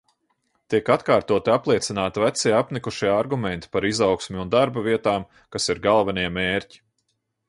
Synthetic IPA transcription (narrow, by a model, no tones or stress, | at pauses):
t̪iɛkat̪kaːɾt̪uɔt̪iaplˠiɛt̪sinaːt̪ivæt̪siɛapnikuʃiɛaɾɡumɛnt̪i̥paɾizawksmʲiund̪aɾbaviɛt̪aːm | kasiɾɡalˠvɛniɛmeːɾʲci̥